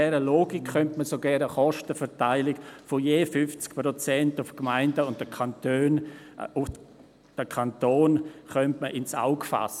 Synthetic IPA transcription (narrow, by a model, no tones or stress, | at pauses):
ɛɾəloːɡikχœntməsoɡɛɾnəχɔʃtəfɛtaɪlɪkfojeːfʏft͡skpɾot͡sɛntʊfkmaɪndəʊnt̚d̥əkʰantøːn | ʊ | d̥əkʰantoːnχœntməʔɪnsa̰ʊkfa̰sə